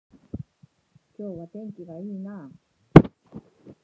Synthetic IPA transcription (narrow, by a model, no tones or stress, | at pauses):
kʲo̞ːβat̪ẽ̞ŋkʲiɡaiːnaː